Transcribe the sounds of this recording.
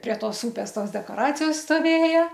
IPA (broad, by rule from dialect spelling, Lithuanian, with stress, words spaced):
pʲrʲiɛ ˈtoːs ˈʊpʲeːs ˈtoːs dʲɛkoːˈrɑːt͡sʲɪjoːs stoːˈʋʲeːjɛ